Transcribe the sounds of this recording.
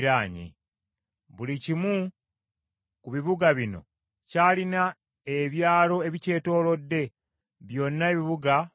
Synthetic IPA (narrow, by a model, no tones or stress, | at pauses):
ɾaːɲḛ | βulicimu | kuβiβuɡaβino̞̰ | caːlina | eβjaːlo̞eβice̞ːto̞ːlo̞dːe̞ | βjo̞nːaeβiβuɡa